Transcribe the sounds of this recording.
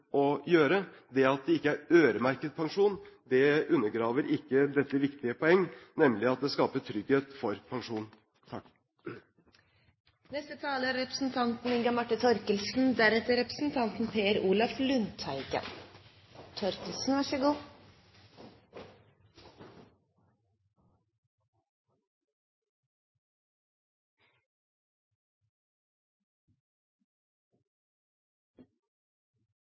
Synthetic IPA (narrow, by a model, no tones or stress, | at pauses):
ɔjøːɾəd̪ɛɑt̪̚d̪ɛɪkːəæɾøːɾəmæɾkəd̪̚pʰɑŋʂuːnd̪ɛʉnːəɾɡɾɑːʋəɾɪkːəd̪ɛt̪ːəʋɪkt̪ɪəpʰɔɛŋːnɛmlɪɑt̪̚d̪ɛskɑːpəʈʰɾʏɡheːt̪fɔɾpʰɑŋʂuːn | t̪ʰɑk | nɛst̪ət̪ʰɑːləɾɛpɾəsn̩t̪ʰɑnt̪n̩ɪŋɡɑmɑʈːət̪ʰɔɾkəlsn̩d̪æɾɛt̪ːəɾɛpɾəsn̩t̪ʰɑnt̪n̩pʰeːəɾuːlɑflʉnt̪ʰæɪɡə̰n | t̪ʰɔɾkəlsn̩ʋɑʂəɡuː